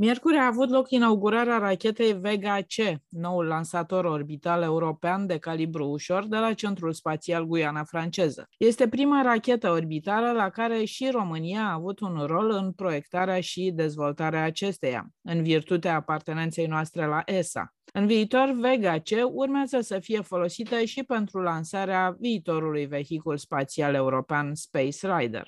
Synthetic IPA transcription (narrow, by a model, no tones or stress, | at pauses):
mʲje̞rkuɾiaːvut̪lo̞kinauɡuɾaɾeaɾakʲe̞t̪e̞jve̞ɡat͡ʃe̞no̞ulːansat̪o̞ɾo̞rbit̪ale̞uɾo̞peand̪e̞kalibɾuːʃo̞rd̪e̞lat͡ʃe̞nt̪ɾulspat̪sialɡujanafɾant͡ʃe̞zə̰je̞st̪e̞pɾimaɾakʲe̞t̪əorbit̪aləlakaɾe̞ʃiro̞mɨniaːvut̪unro̞lɨnpɾo̞je̞kt̪aɾeaʃid̪e̞zvo̞lt̪aɾeaːt͡ʃe̞st̪e̞ja̰ɨnvirt̪ut̪eaːpart̪e̞ne̞nt̪se̞jnoast̪ɾe̞laʔesa̰ | ɨnviːt̪o̞rve̞ɡat͡ʃe̞urmeazəsəfije̞fo̞lo̞sit̪əʃipe̞nt̪ɾulansaɾeaviːt̪o̞ɾulujve̞çikulspat̪siale̞uɾo̞peanspejsrajd̪ḛr